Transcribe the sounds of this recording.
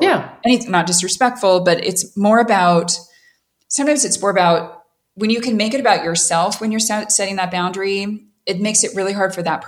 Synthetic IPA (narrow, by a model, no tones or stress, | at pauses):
jæɛɾ̃iθɪ̃ŋnət̚d̥ʌst̚ɹɨspɛk̚tfl̩ˠbʌɾɪ̰tsmɔɹɨbaʊt | sʌ̃mtʰãɪ̃mzɨtsmɔɹəbaʊt̚ | wɨ̃njɨkɨ̃nmeɪkɨɾɨbaʊt͡ʃə˞sɛlˠfwɨ̃njə˞sɛsɛɾɪ̃ŋðɨt̚b̥ãʊ̃ndɹi | ɨt̚meɪksɨʔ̚ɹɪlˠiɦɑɹd̥fə˞ðət̚pʰ